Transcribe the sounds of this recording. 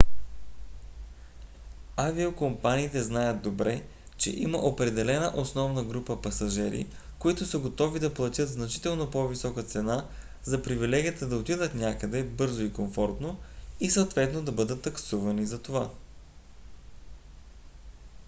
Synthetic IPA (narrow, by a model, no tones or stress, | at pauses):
aviokompaniːt̪ɛznajət̪d̪obɾɛ | t͡ʃɛ̰ʔiməʔopɾɛd̪ɛlɛnəʔosnɔvnəɡɾupəpɐsɐʒɛɾḭ | koit̪ʊsəɡot̪ɔvid̪ɐplˠɐt̪ʲjɤt̪znɐt͡ʃi̥t̪ɛlˠnopɔvisɔkət̪sɛna | zɐpɾivilɛɡʲiət̪əd̪ɐot̪id̪ət̪nʲakəd̪ɛbɤɾzoikoɱfɔɾt̪noisət̪vɛt̪nod̪ɐbɤd̪ət̪ːɐksuvɐnizɐt̪ova